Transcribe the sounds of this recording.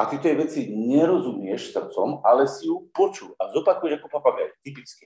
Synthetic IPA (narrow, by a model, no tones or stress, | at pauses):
at̪iɛt̪ɔjɛʋɛt͡siɲɛɾɔzumɪɛʃsr̩t͡sɔmalɛsijupɔt͡ʃuazɔpakujɛakɔpapaɡa̰jt̪ipit͡ski